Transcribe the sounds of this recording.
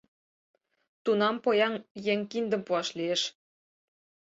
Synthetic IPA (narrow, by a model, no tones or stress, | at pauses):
t̪unɑmpojɑŋjeŋkind̪ə̆mpuɑʃlieʃ